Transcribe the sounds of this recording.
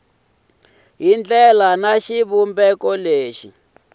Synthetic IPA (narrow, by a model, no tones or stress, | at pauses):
ɦind͡ɮɛlanaʃiβumbɛkɔleːʃi